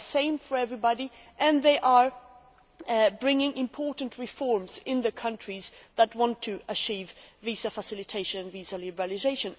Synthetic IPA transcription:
sẽɪ̃ɱfə˞ɛvɹibɑɾi | ʔɨ̃nðeɪʔə˞ | bɹɪ̃ŋɪ̃ŋʔɪ̃mpʰɔɹʔn̩tʰɹɨfɔɹmzɪ̃nðɨkʰʌ̃nt͡ʃɹ̥izðət̚wɑ̃ntʰɨət͡ʃʰivvizəfəsɪlˠɨtʰeɪʃɨ̃nɨ̃nvizəlɪbəɹəlˠɨzeɪʃɨ̃n

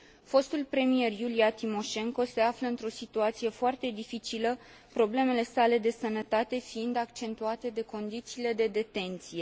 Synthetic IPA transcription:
fo̞st̪ulpɾe̞mije̞rjuliat̪imo̞ʃe̞ŋko̞se̞afləɨnt̪ɾo̞sit̪uat̪sije̞foart̪e̞d̪ifit͡ʃilə | pɾo̞ble̞me̞le̞sale̞d̪e̞sənət̪at̪e̞fiind̪akt͡ʃe̞nt̪uat̪e̞d̪e̞ko̞nd̪it̪siːle̞d̪e̞d̪e̞t̪e̞nt̪sije̞

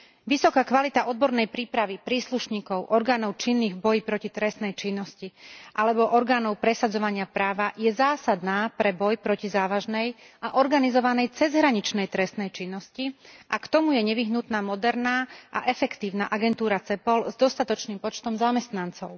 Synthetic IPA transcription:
ʋisɔkaːkʋalit̪aʔɔd̪̚bɔɾnɛjpɾiːpɾaʋipɾiːsluʃɲiːkɔʊʔɔɾɡaːnɔʊt͡ʃinːiːɣbɔjipɾɔcit̪ɾɛst̪nɛjt͡ʃinːɔsciʔalɛbɔʔɔɾɡaːnɔʊpɾɛsad͡zɔʋaɲɪapɾaːʋajɛzaːsad̪naːpɾɛbɔjpɾɔcizaːʋaʒnɛj | aʔɔɾɡanizɔʋanɛjt͡sɛzɦɾaɲit͡ʃnɛjt̪ɾɛst̪nɛjt͡ʃinːɔsciʔakt̪ɔmujɛɲɛʋiɦnut̪naːmɔd̪ɛɾnaːʔa̰ʔɛfɛkt̪iːʊna̰ʔaɡɛnt̪uːɾat͡sɛpɔlzd̪ɔst̪at̪ɔt͡ʃniːmpɔt͡ʃt̪ɔmzamɛst̪nant͡sɔʊ

